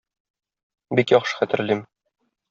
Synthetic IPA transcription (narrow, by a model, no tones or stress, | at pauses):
bikjɒχʃɤ̥χæt̪ɘ̆ɾlim